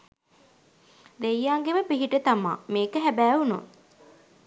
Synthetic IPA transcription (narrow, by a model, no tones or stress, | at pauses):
d̪eijːaːŋɡeʋəpiɦiʈət̪ama̰ːmeːkəɦæbæːuno